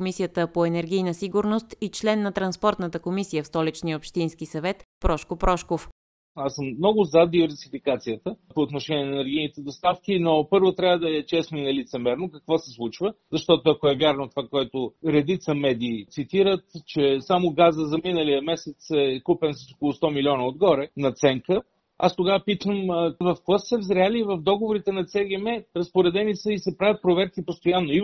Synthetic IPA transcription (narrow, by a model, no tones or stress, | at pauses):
komisijət̪əpoɛnɛɾɡ̟ʲijnəsiɡʊɾnost̪it͡ʃlɛnːɐt̪ɾɐnspɔɾt̪nət̪əkomisijəfst̪ɔlit͡ʃniəopʃt̪inskisɐvɛt̪pɾɔʃkopɾɔʃkof | asəmnɔɡʊzɐd̪ivɛɾsifikat̪sijət̪əpoːt̪noʃɛnʲiɛnɛnɛɾɡʲijnit̪ɛd̪ost̪afk̟ʲinopɤɾvot̪ɾʲavəd̪ɐɛt͡ʃɛsninɐlit̪sɛmɛɾnokəkvɔsɛslˠut͡ʃvəzɐʃt̪ɔt̪oɐkoɛvjaɾnot̪ovakoɛt̪oɾɛd̪it̪səmɛd̪iːt̪sit̪iɾət̪t͡ʃɛsamoɡazəzɐminəlijəmɛsɛt̪sɛkupɛnsəso̥kolˠʊst̪ɔmilʲiɔnəod̪ɡɔɾɛnɐt̪sɛŋkə | a̰st̪oɡavəpit̪əmvɐfklˠassɛvzɾʲalʲiːvəfd̪ɔɡovoɾit̪ɛnɐt̪sɛɡʲɛmɛɾəspoɾɛd̪ɛnisəisɛpɾavʲjət̪̚pɾovɛɾkipost̪ojanːoi